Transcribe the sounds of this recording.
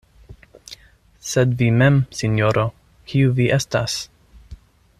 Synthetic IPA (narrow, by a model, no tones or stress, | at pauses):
sedvimɛmsinjoɾo | kʰiuviʔestas